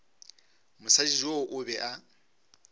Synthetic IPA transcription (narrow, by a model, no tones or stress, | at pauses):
mʊsad͡ʒizwoʔʊbɛʔa